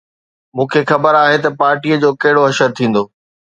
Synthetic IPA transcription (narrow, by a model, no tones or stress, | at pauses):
mũːkʰexɐbəɾaːɦet̪ɐpaːɾʈijəd͡ʑoːkɐɦɪɽoɦɐʃəɾt̪ʰĩːn̆d̪oː